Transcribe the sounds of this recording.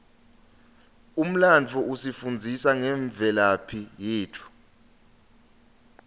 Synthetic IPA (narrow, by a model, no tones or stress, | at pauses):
um̩lant͡fʰuʔusifund͡zʱisaŋɛɱb̪vʱɛlapʰijeːtʰu̥